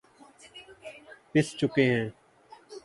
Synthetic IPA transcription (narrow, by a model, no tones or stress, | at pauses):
pɪst͡ʃʊkeɦɛ̃ː